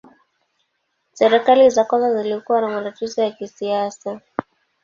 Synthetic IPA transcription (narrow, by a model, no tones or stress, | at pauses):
sɛɾɛkalizakazazilikuwanamaɾatizɔjakisiasa